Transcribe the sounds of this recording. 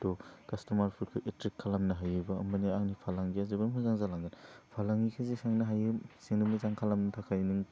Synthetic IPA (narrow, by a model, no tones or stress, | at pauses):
dɔkɐstɔmaɾpʰɯɾkʰɯʔetɾikʰːalamnɐɦajɯbɐɐmbɐniaŋnipʰalaŋɡiazibɯnmʰɯzaŋzalaŋɡɯnpʰalaŋɡikʰɯzisaŋnɐɦajɯseŋnɯmizaŋkʰalamntʰakʰajnɯŋ